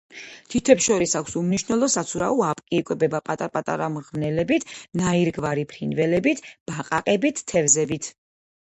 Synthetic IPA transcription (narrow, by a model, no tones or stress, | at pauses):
t̪ʰit̪ʰɛpsʃɔɾisakʷʰsumniʃnɛlˠɔsat̪sʰuɾauapʼkʼiːkʼwɛbɛbapʼat̪ʼapʼat̪ʼa̰ɾamʁnɛlɛbit̪ʰnaiɾɡvaɾipʰɾinvɛlɛbit̪ʰb̥aqʼa̰qʼɛbit̪ʰːɛvzɛbit̪ʰ